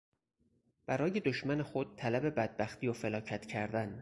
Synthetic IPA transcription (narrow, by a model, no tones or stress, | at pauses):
b̥æɾɒːje̞d̪oʃmæne̞xo̞d̪̥̚t̪ʰælæbe̞bæd̪̚bæxt̪ʰiːjofelɒːcʰæt̪cʰæɾd̪æn